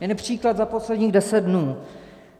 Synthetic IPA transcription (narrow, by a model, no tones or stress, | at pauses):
jɛnɛpr̝̥iːklad̪zapo̞slɛdɲiːɣdɛsɛd̪̚dnuː